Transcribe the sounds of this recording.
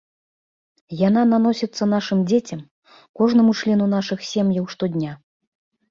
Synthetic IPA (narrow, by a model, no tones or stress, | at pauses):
jananan̪ɔsʲɛt̪sːɐn̪aʂɨmd͡zʲet͡sʲɐm | kɔʐnɐmut͡ʂlʲɛnun̪aʂɨxsʲɛmjɐwʂt̪ɔdʲnʲa